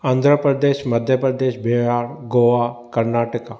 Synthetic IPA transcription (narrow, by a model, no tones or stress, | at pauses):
ãːnd̪ʱɾəpɾəd̪eːʃmɐd̪ʱjəpɾəd̪eːʃbʱɪaːɾɡoːʋakɐɾnaːʈəka